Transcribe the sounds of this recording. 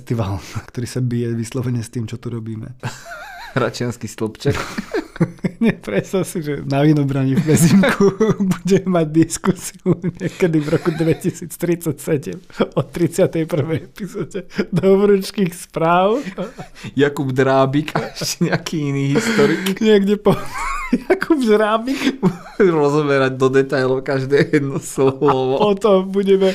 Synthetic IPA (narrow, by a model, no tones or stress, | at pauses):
st̪iʋalkt̪ɔɾiːsabijɛʋislɔʋɛɲɛst̪iːmt͡ʃɔt̪uɾɔbiːmɛ̰ | ɾat͡ʃɪanskist̪lɔpt͡ʃak | ɲɛpɾɛt̪st̪asiʒɛnaʋinɔbɾaɲivbɛziŋkʰubuɟɛmaɟd̪iskusiuɲɪɛkɛd̪ivɾɔkud̪ʋɛcisiːt͡st̪ɾit͡sacsɛɟɛmɔt̪ːɾit͡sɪat̪ɛjpr̩ʋɛjɛpizɔɟɛd̪ɔʋɾut͡ʃkixspɾaːʊ | jakubd̪ɾaːbikaʃcɛɲɛakʰiːiniːɦist̪ɔɾiɲɪɛɡɟɛpɔjakʰubd̪ɾaːbik | ɾɔzɔbɛɾaɟ̚d̪ɔd̪ɛt̪ajlɔʊkaʒd̪ɛːjɛd̪nɔslɔlɔʋɔpɔt̪ɔmbuɟɛmɛ